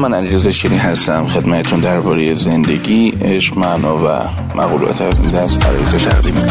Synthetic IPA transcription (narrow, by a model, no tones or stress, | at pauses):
mænæliɾezeʃeɾiːɦæst̪æmxe̞d̪mæt̪ʰet̪ʰund̪æɾbɒːɾejeze̞nd̪e̞ɟiːʔeʃmænɒːvæ̰ | mʔæɣuːlɒ̰ːt̪ʰæsud̪æsæ̰ɾjezet̪ʰæ̰ɣd̪imi